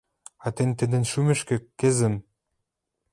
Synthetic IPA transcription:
ɑt̪ent̪ɘ̆d̪ɘ̆nʃymɘ̆ʃkɘ̆kːɘ̆zɘ̆m

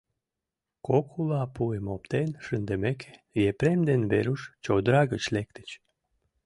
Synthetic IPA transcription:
kokʰulɑpuemopt̪enʃənd̪əmekʰe̥jepɾemd̪enbeɾuʃt͡ɕowd̪ɾɑɣət͡ɕlek̚t̪ə̥t͡ɕ

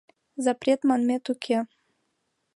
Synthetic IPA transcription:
zapɾʲet̪manmʲet̪ʊkʲʰe

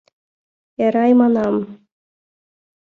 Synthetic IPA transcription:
eɾɑjmɑnɑm

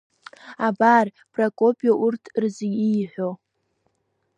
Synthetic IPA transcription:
abar | b̥ʰʼrakʼopʼjoʔurtʰrzʲijħʷo

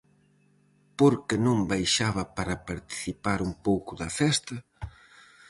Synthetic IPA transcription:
poɾkɪnõmbajʃaβɐpaɾɐpaɾt̪i̥θipaɾumpowkʊðɐfɛst̪ɐ

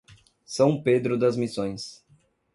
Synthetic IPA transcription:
sɐ̃w̃ped̪ɾʊd̪ɐzmisõj̃s

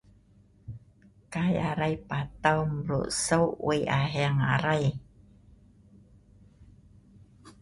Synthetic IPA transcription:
kajaɾajpat̪awmɾṵʔsəwʔweʔaɦɛaŋa̰ɾaj

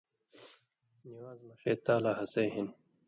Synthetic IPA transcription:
niwaːzmɐɕeːt̪aːlaːɦɐseːɦin

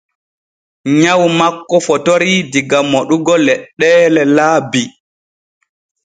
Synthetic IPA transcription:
ɲawmakːɔfɔtoɾidiɡamoɗuɡɔlɛɗːɛːlɛlaːbi

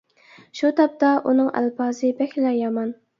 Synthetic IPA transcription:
ʃut̪ʰɑp̚t̪ɑʔunɨŋæ̰lpɑːzɨbɛkʲlɛjɑmɑn

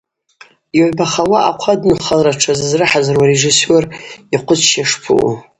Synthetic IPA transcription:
joʕbaχawaʔaqʷʰadnɨχalraʈ͡ʂʰazɨzrɨħazarwareʐisoriqʷʰʊt͡sʃaʂpʰɨ̰ʔ

